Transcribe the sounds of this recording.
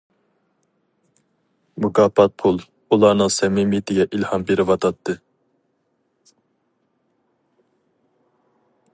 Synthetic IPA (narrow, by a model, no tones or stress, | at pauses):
mukʰɑpɑt̪̚pʰulˠ | ulˠɑɾnɨŋsɛmimit̪ʰɪɡʲɛʔilhɑmbeɾɪvɑt̪ʰɑt̪ʰːɨ